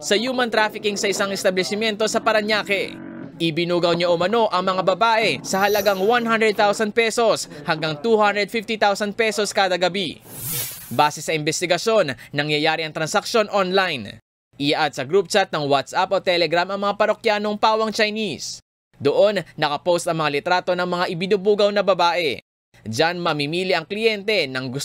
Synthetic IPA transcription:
sɐjuːmɐnt̪ɾaːfɪkɪŋsɐʔɪsɐŋɛst̪ɐblɛsɪmjɛnt̪osɐpɐɾɐɲaːkɛ̰ | ʔɪbɪnuːɡɐwɲaʔʊmɐno̞ʔɐŋmɐŋabɐbaːʔɛsɐhɐlɐɡaŋwanɦand̪ɾɛd̪̚t̪awsɐnd̪̚pɛso̞shɐŋɡaŋt̪uhand̪ɾɛd̪fift̪it̪awsɐnd̪̚pɛso̞skaːd̪ɐɡɐbi | baːsɛsɐʔɪmbɛst̪ɪɡɐʃo̞nːɐŋjɐjaːɾiɐŋt̪ɾɐnsɐk̚ʃjo̞nʔonlajn | ʔɪjaʔad̪̚sɐɡɾup̚t͡ʃat̪̚nɐŋwat̪sʔapot̪ɛlɛɡɾamʔɐŋmɐŋapɐɾokjaːno̞ŋpaːwɐŋt͡ʃɐjnis | d̪oʔo̞nːɐkɐpost̪ɐŋmɐŋalɪt̪ɾaːt̪o̞nɐŋmɐŋaʔɪbɪnuːbuːɡɐwnɐbɐbaːʔɛ | d͡ʒanmɐmɪmiːliʔɐŋklɪjɛnt̪ɛnɐŋɡʊ

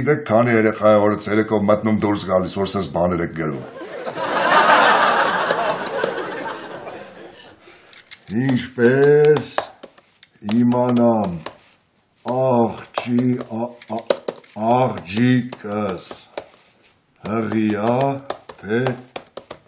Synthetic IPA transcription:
id̪ɛkʰkʰːɑnijɛɾɛχɑjəvɔɾət͡sʰɛɾɛkʰɔvmət̪numd̪uɾsɡɑlisvɔɾsɛzbɑnɛɾɛk̚ɡəɾṵm | int͡ʃʰpɛs | himɑnɑm | ɑχt͡ʃʰi | ɑʁd͡ʒikʰəs | həʁiɑt̪ʰɛ

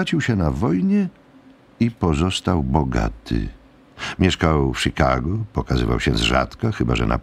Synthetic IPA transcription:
at͡ɕiwɕɛnavɔjɲɛ | ipɔzɔst̪awbɔɡa̰t̪ʰɨ̰ | mʲjɛʂkawfʂikaɡɔpɔkazɘva̰wɕɛzʐa̰t̪kaxɘbaʐɛ̰nʔa

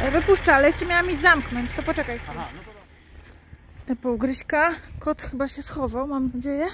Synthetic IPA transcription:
vɘpuʂt͡ʂaalɛjɛʂt͡ʂɛmʲjawamʲizamknɔɲt͡ɕt̪ɔpɔt͡ʂɛkajxab̪ | t̪ɛpɔwɡɾɘɕkakɔt̪xɘbaɕɛsxɔvawmamnɔd͡ʑejɛ

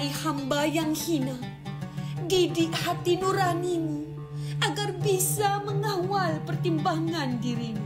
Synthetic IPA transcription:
ihambajaŋhina | ɡidɪʔhat̪inuɾaninu | ʔaɡarbisaməŋawalpərt̪imbaŋandiɾinu

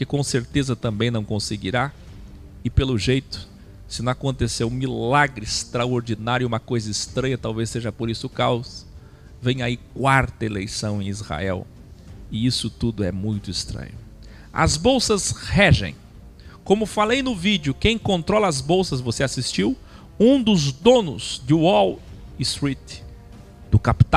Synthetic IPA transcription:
kɪkõseɾt̪ezɐt̪ɐ̃mbẽj̃nɐ̃w̃kõsɪɡiɾa | ɪpelʊʒejt̪ʊ̥ | sɪnɐ̃w̃akõnt̪esewũmilaɡɾɪst̪ɾaoɾd͡ʒinaɾjʊũmɐkojzɐɪst̪ɾɐ̃jɐt̪awvesːeʒɐpoɾisʊkaws | vẽj̃aikwaɾt̪ɐelejsɐ̃w̃ẽj̃izha̰ɛ̰w | ɪisʊt̪ud̪ʊɛmũj̃t̪ʊɪst̪ɾɐ̰̃ɲʊ | ɐ̰zbowsɐzhɛʒḛ̃j̃ | kõmʊfalejnʊvid͡ʒʊkẽj̃kõnt̪ɾɔlɐːzbowsɐzvoseasist͡ʃiw | ũd̪ʊzd̪õnʊz̥d͡ʒ̪ɪɔlɪst̪ɾit̪ | d̪̥ʊkapi̥t̪a

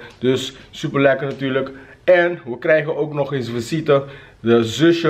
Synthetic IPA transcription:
dɵssypərlɛkərnatyːrlək | ɛnʋəkrɛjɣənowknɔχensvəsitə | dəzøʃə

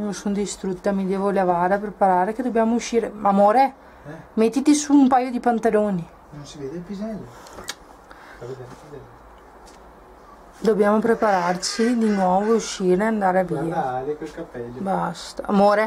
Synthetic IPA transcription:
josond̪ist̪ɾut̪ːamid̪ɛːvolevaːɾeapɾepaɾaːɾeked̪objaːmouʃːiːɾeamoːɾe | met̪ːit̪isuːmpaːjod̪ipant̪aloːni | nonsived̪epizɛlː | d̪objaːmopɾepaɾart͡ʃid̪inwɔːvouʃːiːɾneand̪aːɾeaviːaklkapːɛlːbast̪aa̰moːɾe

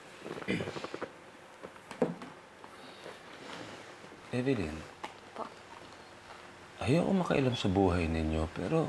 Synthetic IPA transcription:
ʔɛvɪlɪn | ʔɐjoʔo̰mɐkɐʔɐ̰lamsɐbuːɦɐjnɪɲjopɛ̰ːɾo

